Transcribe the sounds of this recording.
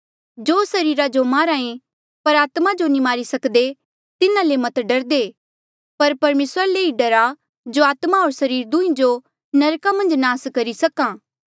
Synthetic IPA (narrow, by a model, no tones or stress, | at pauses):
d͡ʒoːsɐɾiːɾad͡ʒomaːɾãːẽ | pɐɾaːt̪mad͡ʒonĩmaːɾisɐkd̪e | t̪ɪnãlemɐt̪ɖɐɾd̪eː | pɐɾpɐɾmeːsɾaleːiɖɐɾa | d͡ʒoaːt̪maɦoːɾsɐɾiːɾd̪ũːĩd͡ʒo | nɐɾkamɐ̃nd͡ʒnaːskɐɾisɐkãː